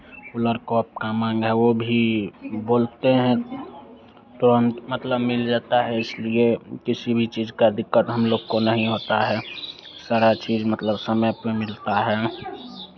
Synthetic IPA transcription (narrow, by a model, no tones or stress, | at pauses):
kʊləɾkɔːp̚kamãːŋɡɦɛʋobʱiboːlt̪eɦɛ̃ | t̪oɾə̃nt̪mət̪ləbmɪld͡ʒaːt̪aɦɛɪsliekɪsibʱit͡ʃiːzkad̪ɪkːət̪ɦəmloːɡkonəɦĩɦoːt̪aɦɛːsaːɾat͡ʃiːd͡ʒmət̪ləbsəməjpemɪlt̪aɦɛː